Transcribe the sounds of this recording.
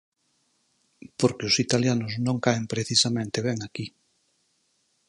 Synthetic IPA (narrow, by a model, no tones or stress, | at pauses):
poɾkeʊsit̪aljanʊznõŋkaempɾeθisamẽnt̪eβ̞ɛŋaki